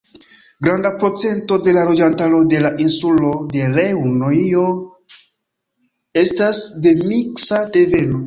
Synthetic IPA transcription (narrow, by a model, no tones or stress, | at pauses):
ɡɾandapo̞t͡se̞nto̞de̞lalo̞d͡ʒantalo̞de̞laʔinsulo̞de̞ɾewnoio̞ | e̞stasde̞miksade̞ve̞no̞